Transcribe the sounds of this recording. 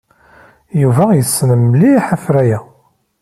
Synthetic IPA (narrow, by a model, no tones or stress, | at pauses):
juvæjəsːnəmliħafɾæjæ